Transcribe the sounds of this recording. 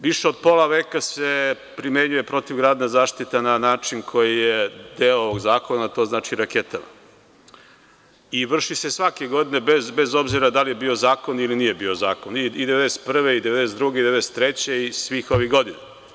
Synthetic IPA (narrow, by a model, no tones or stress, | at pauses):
ʋiʃeod̪̚po̞laʋe̞ːkase̞ | pɾime̞ɲuje̞pɾo̞t̪iʋɡɾaːd̪nazaːʃt̪it̪ananaːt͡ʃinkʰo̞jijed̪eːooʋoɡzaːko̞nat̪o̞znaːt͡ʃiɾake̞t̪ama̰ | iʋr̩ʃisesʋake̞ɡo̞d̪ine̞bezbe̞zo̞bziɾad̪alijebiːo̞zaːko̞niliniːje̞bio̞zaːkoniid̪ee̞d̪ese̥t̪pr̩ʋe̞id̪eed̪es̬ed̪ɾuɡeid̪eeest̪ɾet͡ɕe̞isʋiːxo̞ʋiɡo̞d̪ina